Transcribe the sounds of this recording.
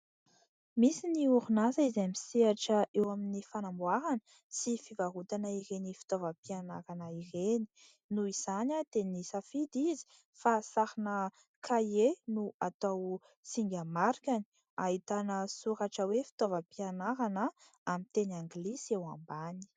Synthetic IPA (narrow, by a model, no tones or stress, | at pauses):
misiniuɾunazaizemiseaʈ͡ʂəʔewaminifanambwaɾanə̥ | sifivaɦut̪anəiɾenifi̥t̪ovəpianaɾanəireni̥ | nuiz̥anat̪enisafid̪izi̥ | fasaɾinə | kʰajenuat̪aw | siŋɡʲamaɾkʲani̥ | ait̪anəsuɾaʈ͡ʂəwefi̥t̪ovəpianaɾanə | amint̪enaŋɡlisewambani̥